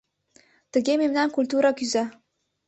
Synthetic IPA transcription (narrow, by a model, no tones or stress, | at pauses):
t̪ɘ̆ɡʲememnæŋkulʲt̪̬uɾɑkyzæ